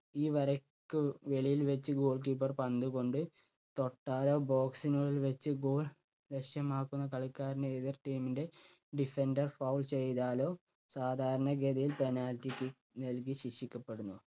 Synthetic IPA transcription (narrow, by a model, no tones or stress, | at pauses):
iːʋɐɾɐkːɨʋe̞ɭijilʋet͡ɕːɨɡoːɭk̬iːpːɐrpɐnd̪uɣo̞ɳɖɨ | t̪o̞ʈːaːlo̞ːbo̞ːksinuɭilʋet͡ɕːɨɡo̞ːɭ | leʂjɐmaːkːunːɐkɐɭikːaːɾineːðɐrʈiːminde̞ | ɖife̞ndɐrfɐwlt͡ɕe̞jt̪aːlo̞ː | saːd̪ʱaːɾɐɳɐɡed̪ɐjilpe̞naːltːikʲːɨ | nɐlk̬iɕiʂikʲːɐpːe̞ɽunːu